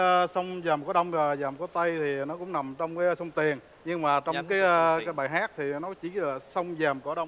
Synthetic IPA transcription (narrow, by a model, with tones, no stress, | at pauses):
sə˧wŋ͡mzaː˨˩mkɔ˨˦ɗə˧wŋ͡mə˨˩zaː˨˩mkɔ˨˦t̪ə˧jt̪ʰi˨˩nɔ˨˦kʊ̰˧˥ŋ͡mna˨˩mt͡ɕɔ˧wŋ͡mkaː˨˦sə˧wŋ͡mt̪i˨˩ən | ɲɨ˧ŋmaː˨˩t͡ɕɔ˧ŋ͡mkaː˨˦jkaː˨˦jɓaː˨˩jɦaː˦˥k̚t̪ʰi˨˩nɔ˨˦t͡ɕi˧˩˦laː˨˩sə˧wŋ͡mzaː˨˩mkɔ˧˩˦ɗə˧wŋ͡m